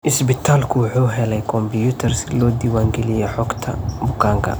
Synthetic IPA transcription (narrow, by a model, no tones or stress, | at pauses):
ʔɪsbɪt̪ʰaːlkʰʊwʊħuːɦɛlɛjkʰɔmbijut̪ʰɐrsɪlɔːd̪iwaːŋɡɛlɪjɛħɔɡt̪ʰɐbʊkʰaːŋkʰɐ̰